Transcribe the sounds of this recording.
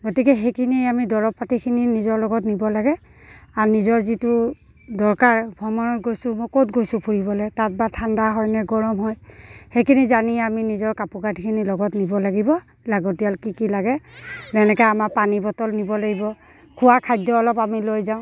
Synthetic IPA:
ɡɔtikɛɦejkʰiniamidɔɹɔpːatikʰininizɔɹlɔɡɔtnibɔlaɡɛ | anizɔɹzitu | dɔɹkaɹbʱɔmɔnɔtɡojsʊmɔjkotɡojsʊ̃pʰuɹibɔlɛtat̚batʰandaɦɔjnɛɡɔɹɔmɦɔjhejkʰinizaniaminizɔɹkapukatikʰinilɔɡɔtnibɔlaɡibɔ | laɡɔtijalkikilaɡɛlɛnɛkɛamapanibɔtɔlnibɔlaɡibɔ | kʰʊwakʰajdɔːlɔpamilojzaʊ̃

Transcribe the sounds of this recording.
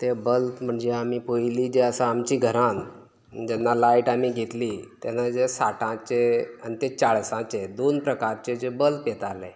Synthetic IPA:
t̪ebəlt̪m̤əɳd͡zeamipojiliːd͡ʑeəsãːmt͡ɕiɡʱəɾãn | d͡ʑɛnːalaiʈamiɡʱet̪liːt̪janad͡ʑesaʈʰãt͡ɕeanit̪et͡saɭsãt͡ɕed̪onpɾəkaɾt͡ɕed͡ʑebəlp̪jet̪ale

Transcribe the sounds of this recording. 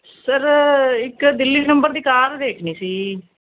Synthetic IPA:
səɾɪkd̪ɪlːiːnəmbəɾd̪iːkaːɾd̪eːkʰniːsiː

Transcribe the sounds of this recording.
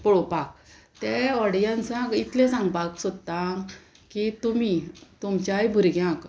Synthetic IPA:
pɔɭopak̚ | t̪eɔɽjãnt͡sãkit̪lẽsãŋɡpaksot̪ːaŋ | kit̪umit̪umt͡ɕajbʱuɾɡjãk

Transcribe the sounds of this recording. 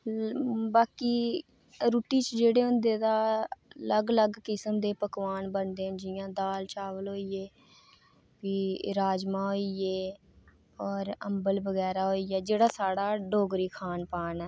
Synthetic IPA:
baːkiː | ɾuːʈiːt͡ʃd͡ʒeːɽeːɦʊ̃nd̪eːd̪aːləɡləɡkɪsəmd̪eːpəkʋaːnbənd̪eːənd͡ʒɪjãːd̪aːlt͡ʃaːʋəlɦoːiːeː | biːɾaːd͡ʒmãːɦoːiːeː | ɔːɾə̰mbəlbəɡɛːɾaːɦoːiːɛːd͡ʒeːɽaːsaːɽaːɖoːɡɾiːkʰaːnpaːnɛː

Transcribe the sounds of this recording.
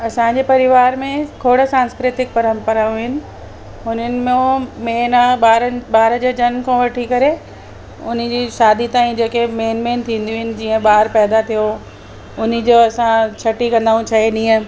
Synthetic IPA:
ɐsãd͡ʑeːpɐɾɪʋaːɾmẽkʰoːɽəsãːnskɾɪt̪ɪk̚pɐɾə̃mpəɾaːjũɦɪnɪ̆ | ɦʊnənɪ̆mẽmeːnaɓaːɾəɓaːɾə̃d͡ʑeːd͡ʑɐnkʰõʋɐʈʰikɐɾe | ʊn̤̆d͡ʑiːʃaːd̪it̪aːĩd͡ʑeːkemeːnmẽːnt̪ʰĩːn̆d̪ijuɦɪnɪ̆d͡ʑiːə̃ɓaːɾpɛːd̪at̪ʰijo | ʊn̤ɪ̆d͡ʑoːɐsãt͡ɕʰɐʈikɐ̃nd̪aːũt͡ɕʰɐɦeɗĩːə̃

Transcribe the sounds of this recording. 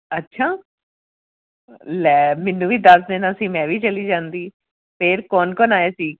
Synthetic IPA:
ətːʃʰaː | lɛːmɪnːũːʋiːd̪əsd̪ɪnaːsĩːmɛ̃ːʋiːt͡ʃəliːd͡ʒãːnd̪iː | pʰeːɾkɔːnkɔːnaːjeːsiːk

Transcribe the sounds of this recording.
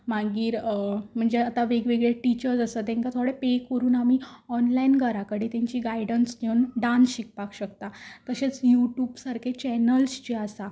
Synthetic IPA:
m̤aɡiːɾm̤əɳd͡zeat̪aʋeɡʋeɡɭeʈit͡ɕəɾd͡zəsət̪ẽŋkat̪ʰoɽepekəɾuːnamiːɔnlainɡʱəɾakəɽet̪ãɲt͡ɕiːɡaiɽənsneunɖãnsɕik̚pakɕəkt̪at̪əɕet͡sjuʈjuːbsaɾkʰet͡ɕɛnəlst͡ɕeasa

